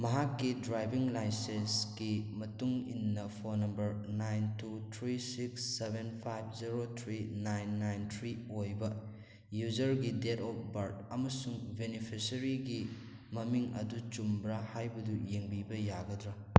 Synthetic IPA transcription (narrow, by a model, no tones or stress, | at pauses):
mɐɦakːidɾajbiŋlajsensɡimɐtuŋḭnːɐpʰonɐmbɐɾnajntutʰɾisiksːebʱenpʰajbziɾot̪ʰɾinajnːajntʰɾiojbɐ | jud͡ʒɐɾɡidetɔp̚ʰbɐɾdɐmɐsuŋbenipʰisɐɾiɡi | mɐmiŋɐ̰dut͡ʃumbɾahajbɐdujeŋbibɐjaɡɐdɾɐ